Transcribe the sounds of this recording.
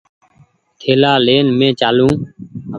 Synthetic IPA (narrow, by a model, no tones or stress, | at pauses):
k̪ʰeːlaːleːnmẽːt͡ʃaːlũː